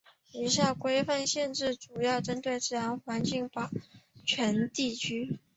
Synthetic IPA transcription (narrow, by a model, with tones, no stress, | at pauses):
i˨˩ɕja˥˩kwe˥ɪfa˥˧nɕjɛ˥˧nʈ͡ʂɻ̩˥˩ʈ͡ʂu˨˩jɑ˥˩ʊʈ͡ʂə˥nt̪we˥˩ɪt͡sɹ̩˥˩a˧˥nxwa˧˥nt͡ɕi˥˩ŋpɑ˨˩t͡ɕʰɥɛ˧˥nt̪i˥˩t͡ɕʰy˥